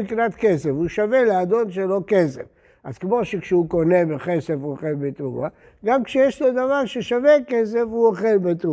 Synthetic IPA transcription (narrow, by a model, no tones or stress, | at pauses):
iknat̪kesevuʃavelead̪o̞nʃelo̞kesev | azkmoʃekʃɛuko̞nebeχesevuoχelbet̪ʁua | ɡamkʃejeʃlo̞d̪avaʁʃeʃavekes̬evuoχelbet̪ʁu